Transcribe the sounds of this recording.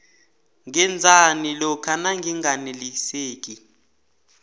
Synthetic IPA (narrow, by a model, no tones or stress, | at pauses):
ŋɛnd͡zʱanilɔkʰanaŋɡʱiŋɡʱaneliseːk̬ʼi